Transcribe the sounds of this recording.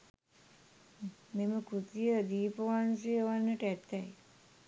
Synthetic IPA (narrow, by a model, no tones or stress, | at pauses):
meməkɾut̪ijəd̪iːpəʋansijəʋanːəʈəæt̪ːɛj